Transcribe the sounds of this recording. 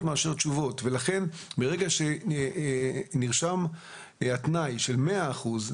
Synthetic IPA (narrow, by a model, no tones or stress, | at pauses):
tmaːʃeʁt͡ʃuvo̞tve̞laχe̞nbeʁeɡaʃe̞ | niʁʃam | at̪najʃe̞lme̞aːχuz